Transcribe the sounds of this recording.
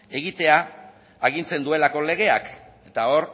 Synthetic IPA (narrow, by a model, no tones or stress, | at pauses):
e̞ɣit̪e̞aː | ɣ̞int͡se̞nd̪ue̞lako̞le̞ɣ̞e̞ak | e̞t̪ao̞ɾ